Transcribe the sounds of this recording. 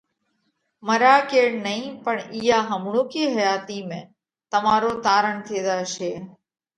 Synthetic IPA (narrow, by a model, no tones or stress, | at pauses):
məɾaːkeːɳnəɦĩːpəɳiːjaːɦəmɳõːkiːɦəjaːt̪iːmẽː | t̪əmaːɾoːt̪aːɾəɳt̪ʰeːd̪aːʃeː